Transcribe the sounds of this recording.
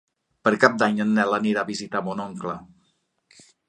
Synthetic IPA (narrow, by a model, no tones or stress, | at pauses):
pəɾkap̚d̪aɲənːɛləniɾaβizit̪amonɔŋklə